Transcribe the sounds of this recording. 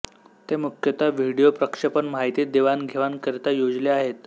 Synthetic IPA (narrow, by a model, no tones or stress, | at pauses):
t̪emukʰjət̪aʋiɽijopɾəkʂepəɳmaɦit̪iːd̪eʋanɡʱeʋankəɾt̪ajod͡zleaɦet̪